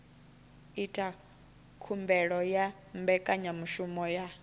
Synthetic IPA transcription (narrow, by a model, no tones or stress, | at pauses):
itʼa | kʰumbɛɺɔja | mbɛkʼaɲamuʃumɔja